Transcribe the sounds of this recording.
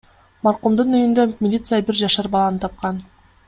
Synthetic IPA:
mɑɾqumd̪ɯnyjynd̪ømʲɪlʲit̪sɨjabiɾd͡ʒɑʃɑɾbɑlˠɑnɯt̪ʰɑp̚qɑn

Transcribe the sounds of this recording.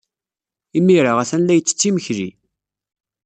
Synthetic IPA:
imːiɾaʁæθænlæjət͡sːə̥t͡sːiməçɾḭ

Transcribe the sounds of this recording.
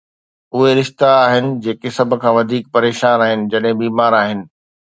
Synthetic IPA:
ʊɦeɾɪʃt̪aaːɦɪnɪ̆d͡ʑeːkesɐbʱʊ̆kʰãːʋɐd̪ʱiːk̚pɐɾeːʃaːnaːɦɪnɪ̆d͡ʑɐɗɦɪ̃biːmaːɾaːɦɪnɪ̆

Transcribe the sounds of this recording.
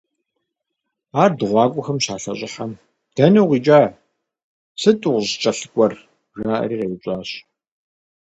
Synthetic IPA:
aːrdɨʁʷɑːkʷʼʊxɐmɕaːɬɐɕʼɪħam | d̥ɐnɐwʁiːt͡ʃʼaː | sɨtʼʊʁʷʑt͡ʃʼɐɬɨkʷʼɔr | ʒʷaːʔɐ̰riːʁeːwʊɕʼaːɕ

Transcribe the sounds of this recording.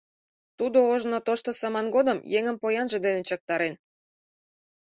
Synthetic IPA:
t̪ud̪ooʒnot̪oʃt̪osɑmɑnɡod̪əmjeŋəmpojɑnʒĕd̪enet͡ɕɤk̚t̪ɑɾen

